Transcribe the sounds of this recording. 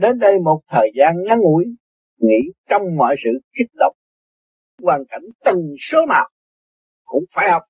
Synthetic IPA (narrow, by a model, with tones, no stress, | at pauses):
ɗe˨˦nɗə˧jmo˨˩t̚t̪ʰəː˨˩jzaː˧nŋa˧˥nʔṵ˧˥əj | ŋḭ˧˥t͡ɕɔ˧wŋ͡mmɔ̰ː˧˨jsɨ̰˧˨ki˦˥t̚ɗə˨˩wk͡p̚ | waː˨˩nka̰˧˩jŋ̟t̪ə˨˩ŋso˨˦naː˨˩w | kʊ̰˧˥ŋ͡mfaː˧˩jhɔ˨˩wk͡p̚